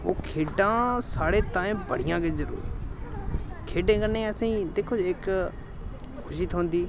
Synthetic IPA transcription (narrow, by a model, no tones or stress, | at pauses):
oːkʰeːɖãːsaːɽeːt̪ãːẽbəɽ̤ɪjãːkeːzəɾṵːɾ | kʰeːɖẽːkənẽːəsĩːd̪eːkʰoːd͡ʒɪk | kʰʊʃiːt̪ʰõːnd̪iː